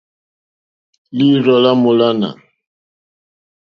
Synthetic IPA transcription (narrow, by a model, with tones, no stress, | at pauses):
li˦ɾɔ˨la˦mo˨la˦na̰˨